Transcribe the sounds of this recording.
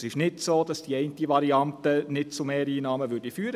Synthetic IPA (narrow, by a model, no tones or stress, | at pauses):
sɪʃnɪtsoːdɑsd̥iɛɪntiʋɑɾiɑntənɪt̚t͡sumeːɾiːnɑːməʋʏɾdifyːəɾə